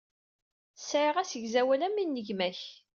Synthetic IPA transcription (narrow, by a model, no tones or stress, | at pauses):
sʕiʁæsəʝzæwælæmːinːəʝmæç